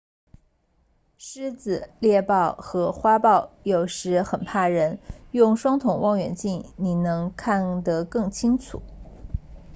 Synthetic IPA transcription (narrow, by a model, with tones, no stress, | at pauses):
ʂɻ̩˥t͡sɹ̩˨˩ljɛ˥˧pɑ˥˩ʊxɤ˧˥xwa˥pɑ˥˩ʊjo˨˩ʊʂɻ̩˧˥xə˨˩npʰa˥˩ɻə˧˥njʊ˥˧ŋʂwɑ˥ŋt̪ʰʊ˨˩ŋwʔɑ˥˩ŋɥɛ̰˨˩nt͡ɕi˥˩nni˨˩nɤ˧˥ŋkʰa˥˩nd̪ə˩kɤ˥˩ŋt͡ɕʰi˥ŋt͡sʰṵ˨˩˦